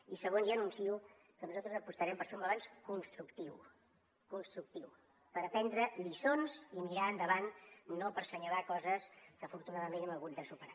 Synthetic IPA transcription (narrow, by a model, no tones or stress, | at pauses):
isəɣonzaənunsiu | kənuzalt̪ɾəzəpust̪əɾɛmpəɾfomləβanskunst̪ɾukt̪iw | kunst̪ɾuk̚t̪iw | pəɾəpɛnd̪ɾəʎisonzimiɾaənd̪əβanːopəɾsəɲəlakɔzəskəːfuɾt̪unaðəmenɛməɣud̪̚d̪əsupəɾa